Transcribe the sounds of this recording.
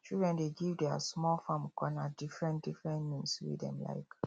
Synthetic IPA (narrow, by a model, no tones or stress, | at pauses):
t͡ʃildɹɛ̃ndeɡivdɛa̰smɔlfãmkɔ̃nadifɹɛ̃ntdifɹɛ̃ntmĩnswḭdɛ̰̃mla̰ɪk